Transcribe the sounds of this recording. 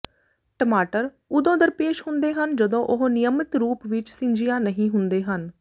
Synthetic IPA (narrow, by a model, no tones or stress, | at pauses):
ʈəmaːʈəɾ | ʊd̪õːd̪əɾpeːʃhʊnd̪eːɦənd͡ʒəd̪õːʔʊɦnɪjəmɪt̪ɾuːpʋɪt͡ʃsɪ̃ɲd͡ʒɪjãːnəɦĩːɦʊnd̪eːɦən